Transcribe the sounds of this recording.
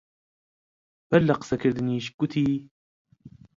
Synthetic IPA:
balːaqsakaɾd̪niʃkːʊt̪iː

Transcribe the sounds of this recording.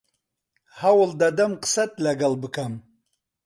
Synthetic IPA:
hawld̪ad̪amqə̥sat̪̚laɡalbɨkʰam

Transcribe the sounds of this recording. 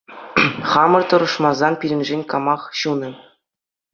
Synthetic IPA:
χɑmɤ̆rt̪ɤ̆ɾɤ̆ʂmɑzɑnpʲiɾʲɘ̆nʲʐenʲkɑmɑχɕunɤ̆

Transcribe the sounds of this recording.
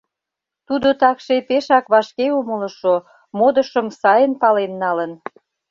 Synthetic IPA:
t̪ud̪ot̪ɑkʃepeʃɑkβɑʃkeumələ̆ʃo | mod̪əʃə̆msɑjənpɑlenːɑlən

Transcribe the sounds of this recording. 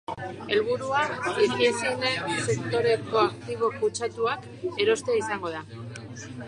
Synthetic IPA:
e̞lβ̞uɾuaisiesine̞se̞kt̪o̞ɾe̞ko̞akt̪iβ̞o̞kut͡ʃat̪uak | e̞ɾo̞st̪eaisaŋɡo̞ð̞a

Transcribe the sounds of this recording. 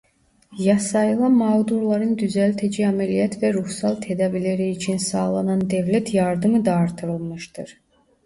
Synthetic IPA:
jɑsɑjɯlˠɑmɑɣd̪uɾlˠɑɾɯnd̪yzælt̪ʰæd͡ʒiæmælijæt̪ʰvæɾuhsɑlˠt̪ʰed̪ɑbileɾiːt͡ʃʰinsɑlˠɑnɑnd̪evlæt̪ʰjɑɾd̪ɯmɯd̪ɑːɾt̪ʰɯɾɯlˠmɯʃd̪ɯ̰ɾ

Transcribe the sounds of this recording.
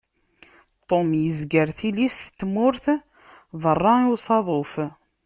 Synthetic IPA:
t̪ˤomjəzɡəɾθilisθt̪ːmʊɾθ | ðˤərˤːɑiwsˤɑðˤof

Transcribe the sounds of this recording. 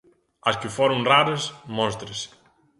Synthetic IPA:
ɐskɪfoɾoŋraɾɐsmɔ̃st̪ɾɪsɪ̥

